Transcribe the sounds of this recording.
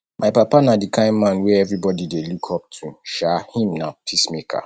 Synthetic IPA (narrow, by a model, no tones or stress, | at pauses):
mʔaɪpapanadikʰãɪ̃nmãnwɛɛvɹibɔdidelukʰɔp̚tʰuʃahĩmnapʰismekʰa̰